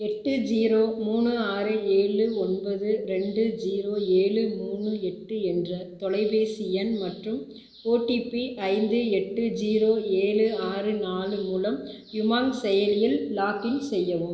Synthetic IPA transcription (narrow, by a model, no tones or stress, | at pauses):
ɛʈːɯd͡ʒiːɾoːmuːnɯaːɾɯeːɭɯɔnbɐðɯɾɛɳɖɯd͡ʒiːɾoːeːɭɯmuːɳɯɛʈːɯɛndrɐt̪ɔɭɐɪbeːsiɛnmɐʈrɯm | oːʈːipiʔɐɪnd̪ɯɛʈːɯd͡ʒiːɾoːeːɭɯaːrɯnaːlɯmuːlɐm | jʊmaːŋsɛjɐlɪjɪllaːkɪnsɛjːɐʋɯm